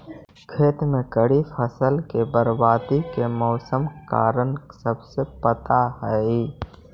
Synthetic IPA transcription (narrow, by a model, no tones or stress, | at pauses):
kʰeːt̪mẽkəɽifʰəsəlkebəɾbaːd̪ikemɔːsəmka̰ːɾənsəbsepət̪aɦɛi